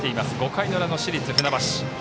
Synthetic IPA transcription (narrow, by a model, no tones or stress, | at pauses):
t̪e̞imasɨɡo̞kainoɾano̞ɕiɾʲit͡sɨɸɯ̟nabaɕi̥